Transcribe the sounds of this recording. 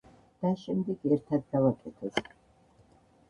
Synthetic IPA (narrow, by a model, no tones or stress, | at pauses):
d̪̥aʃɛmd̪ɛɡɛɾt̪ʰad̪̚ɡavakʼɛt̪ʰɔs